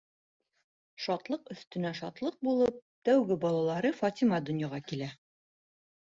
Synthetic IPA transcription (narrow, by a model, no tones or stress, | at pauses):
ʃɒt̪lˠɤqɵ̆θt̪ɵ̆næʃɒt̪lˠɤq̚bulˠɤp̪̚t̪æwɡɘbɒlˠɑlˠɑɾɤfɒt̪ʲimɑd̪ŏnjɑʁɑkilæ